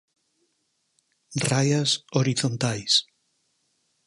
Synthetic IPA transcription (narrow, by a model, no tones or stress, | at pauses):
rajasoɾiθont̪ajs